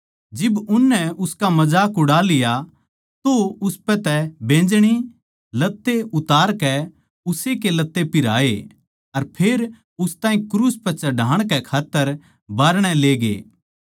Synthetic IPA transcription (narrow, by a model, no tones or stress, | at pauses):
d͡ʒɪbʊnːɛʊskamɐd͡ʒaːkʊɽalɪja | t̪oʊspɛt̪ɛbẽːd͡ʒɽ̃i | lɐt̪ːeʊt̪aːɾkɛ | ʊsekelɐt̪ːepɪɾa̰ːe | ɐɾpʰeːɾ | ʊst̪ãːĩkɾuːspɛt͡ʃɐɖʱaːɽ̃kɛkʰaːt̪ːəɾ | baːɾɽ̃ɛleːɡḛː